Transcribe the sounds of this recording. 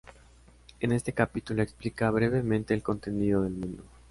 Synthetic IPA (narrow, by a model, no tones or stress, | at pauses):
e̞ne̞st̪e̞kapit̪ulo̞eksplikaβɾe̞β̞e̞mẽnt̪e̞ːlko̞nt̪e̞niðo̞ð̞e̞lmũnd̪o